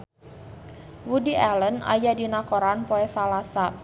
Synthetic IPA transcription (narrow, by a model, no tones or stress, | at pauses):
wudiʔaləna̰jadinakoɾanpoɛsalasa